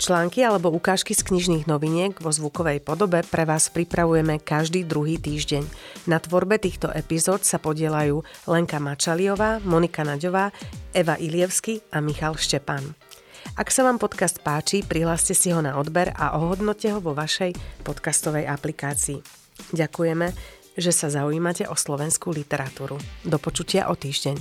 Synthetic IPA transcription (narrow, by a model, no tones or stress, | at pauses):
t͡ʃlaːŋkialɛbɔukaːʃkiskɲiʒniːɣnɔʋiɲɪɛɡʋɔzʋukɔʋɛjpɔd̪ɔbɛpɾʔɛʋaːspɾipɾaʋujɛmɛkaʒd̪iːd̪ɾuɦiːt̪iːʒɟɛɲnat̪ʋɔɾbɛt̪iːxt̪ɔʔɛpizɔːt̪sapɔɟɪɛlajuːlɛŋkamat͡ʃaliɔʋaːmɔnikanaɟɔʋaːɛʋaʔilɪɛʊskiamixalʃcɛpan | aksaʋaːmpɔt̪kast̪̚paːt͡ʃipɾiɦlaːscɛsiɦɔnaɔd̪bɛɾa̰ʔɔɦɔd̪nɔcɛɦɔʋɔʋaʃɛjpɔt̪kast̪ɔʋɛjʔaplikaːt͡siː | ɟakujɛmɛ | ʒɛsazaujiːmacɛʔɔslɔʋɛnskulit̪ɛɾat̪uːɾud̪ɔpɔt͡ʃucɪa̰ʔɔt̪iːʒɟɛɲ